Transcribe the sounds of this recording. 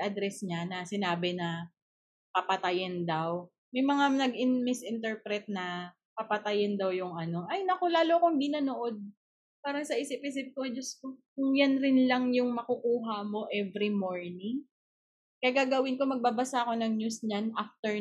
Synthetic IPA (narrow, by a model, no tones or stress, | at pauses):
ʔɐd̪ɾɛsɲanɐsɪnaːbɪnɐ | pɐpɐt̪ɐjɪnd̪aw | mɐjmɐŋanɐɡɪnmɪsʔɪnt̪ɛɹpɾɛt̪̚nɐ | pɐpɐt̪ɐjɪnd̪ɐwjʊŋʔɐno̞ʔɐjnɐko̞laːlokohɪnd̪inɐnoʔo̞d̪̚ | paːɾɐŋsɐʔɪsɪpɪs̬ɪt̪̚kod͡ʒɐskokʊŋjanɾɪnlɐŋjʊŋmɐkʊkuːɦɐmo̞ʔɛvɾimoɹnɪŋ | kɐɡaːɡɐwɪnko̞mɐɡ̚babɐsaʔɐko̞nɐŋɲusɲanʔaft̪ɛɹ